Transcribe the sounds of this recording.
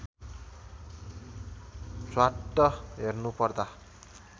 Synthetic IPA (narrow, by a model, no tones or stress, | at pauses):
swaʈːʌɦernupʌrd̪a